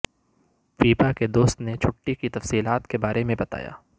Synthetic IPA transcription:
fiːpaked̪oːst̪net͡ʃʰʊʈːikit̪ɐfsiːlaːt̪kebaːɾemẽbɐt̪a̰ːja̰ː

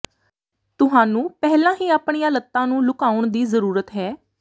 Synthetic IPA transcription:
t̪ʊɦaːnũːpɛːlãːɦiːaːpɳ̃ijãːlət̪ːãːnũːlʊkaːʊɳd̪iːzəɾuːɾət̪ɦɛː

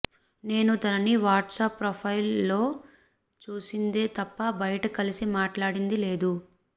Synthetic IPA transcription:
ne̞ːnut̪ɐnɐniʋaːʈsaːpːɾoːpʰɐjlːo̞ː | t͡ʃuːsind̪eːt̪ɐpːɐbɐjɐʈɐkɐlisimaːʈlaːɽind̪ile̞ːd̪u

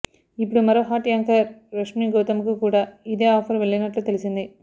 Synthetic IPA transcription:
ɪpːɐɽimɐɾɐɦaːʈːjaːŋkɐɾɾɐʂmiɡoːt̪ɐmɯkːɯkuːɽɐɪðeːaːfɐɾʋɛɭːɐnɐʈːɐt̪ɛlɪsɐnd̪i

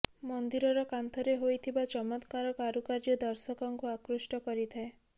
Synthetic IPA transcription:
mɔnd̪iɾɔɾɔkant̪ʰɔɾeɦojt̪ʰibat͡ʃɔmɔt̪kaɾɔkaɾukaɾd͡ʒɔd̪ɔɾsɔkɔŋkuakɾusʈɔkɔɾit̪ʰae

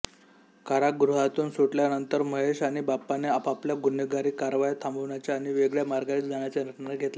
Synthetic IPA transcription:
kʰaɾaɡɾuɦat̪uːnsoʈljanənt̪əɾməɦeɕaɽ̃ibapːaneapapljaɡunːəɡaɾiːkaɾʋajt̪ʰãmbəʋɳjat͡ɕjaːɽ̃iʋeɡɭjamaɾɡait̪d͡zaɳjat͡ɕjaɾəʈnaɾɡʱet̪la

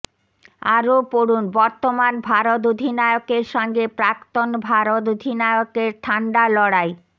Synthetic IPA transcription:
aɾopoɾunbɔɾt̪omanbʱaɾot̪̬od̪ʱinaeokeɾʃɔŋɡepɾakt̪onbʱaɾot̪od̪ʱinaeokeɾt̪ʰaɳɖalɔɽaj

